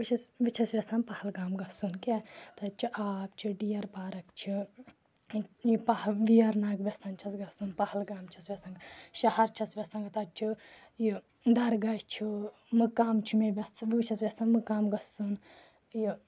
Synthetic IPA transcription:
ʋit͡ʃʰɐsʋit͡ʃʰɐsʋʲesɐnpɐhɐlɡaːmɡɐsunket̪ɐt͡ʃʰiʔaːp̚t͡ʃʰiɖijɐɾpaːɾɐkt͡ʃʰi | jipɐʋijɐɾnaːkʋʲesɐnt͡ʃʰɐsɡɐsunpɐhɐlɡaːmt͡ʃʰɐsʋʲesɐ̃ŋɡʃɐhɐɾt͡ʃʰɐsʋʲesɐŋɡt̪ɐt͡ʃʰu | ji | d̪ɐɾɡɐd͡ʒt͡ʃʰi | mɨkaːmt͡ʃʰumeʋʲɐsʋit͡ʃʰɐsʋʲesɐnmɨkaːmɡɐsun | ji

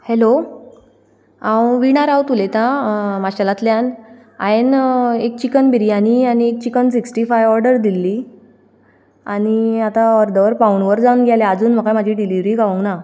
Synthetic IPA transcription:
helo | ãwʋiɽ̃aɾawt̪ulet̪ãmaɕalat̪ljan | a̰jenek̚t͡ɕikənbiɾiañianiek̚t͡ɕikənsiksʈifajʋɔɾɖəɾd̪ilːi | a̰ñiat̪aɔɾd̪əʋəɾpawɳʋəɾd͡zawnɡʱjalead͡zuːnm̤əkajmad͡ʑʱiɖiliʋɾiːɡaʋəŋkna

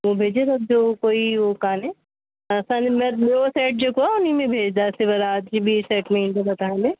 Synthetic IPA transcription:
ʋobʱeːd͡ʒet̪ɐb̚d͡ʒokoːiʋokaːnẽ | ɐsãnmɛ̃osɛːʈ̚d͡ʒokoaʊnimẽbʱeːd͡ʒd̪asebɐɾaːd̪d͡ʒibʱisɛːʈmẽĩnd̪ebɐt̪aːẽd̪eː

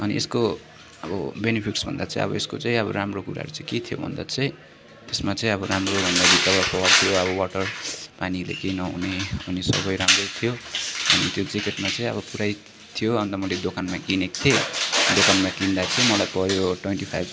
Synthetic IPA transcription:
ʌniḛsko | ʌbʌbenipʰiksbʱʌ̰nd̪at͡sʌĩʌ̰bʌeskot͡sãĩʌβʌramrokuɾa̰ʌ̰ɾut͡saĩket̪ʰijobʱʌ̰nd̪at͡sʌĩ | t̪esmat͡sʌĩʌbʌɾamrobʱʌnd̪abikawʌpʌwʌrt̪ʰijoʌbʌwaʈʌrpanilḛkejnʌɦṵneunesʌ̰bʌjɾamrʌjt̪ʰijoʌ̰nit̪jod͡zikeʈmat͡sʌ̃ĩʌ̰βʌpuɾaj | t̪ʰijoʌnd̪amʌled̪okanmakinekt̪ʰed̪okanmakind̪at͡sʌĩmʌlajpʌjoʈwenʈipʰajb

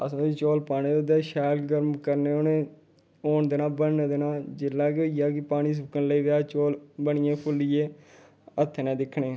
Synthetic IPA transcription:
ə̰sõːit͡ʃoːlpaːniːod̪eːʃɛːlɡəɾmkəɾneːoneː | oːɳd̪eːnaːbənːd̪enaːd͡ʒɪlːaːkeijaːkɪpaːñiːs̬ʊkənləiːʋaːt͡ʃoːlbəɳɪjãːpʰʊlɪjeː | ət̪ʰːnɛ̃ːd̪ɪkʰːɳeː

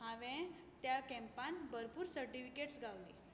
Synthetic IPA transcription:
ɦãʋẽ | t̪jakɛ̃mpãnbəɾpuːɾsəɾʈifikeʈsɡawli

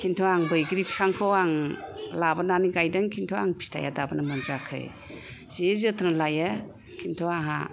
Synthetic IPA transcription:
kʰintʰɔaŋbɯjɡɾipʰi̥sʰaŋkʰɔwaŋlabananiɡajdɯŋkʰintʰɔwaŋpʰi̥stʰa̰ja̰dabanamɯnzakʰɯ̰j | z̥ezɯtʰɯnalaja | kʰintʰɔaɦa̰

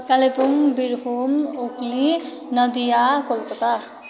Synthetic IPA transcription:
kalepuŋbiɾhomokli | nʌd̪ijakolkɔt̪a

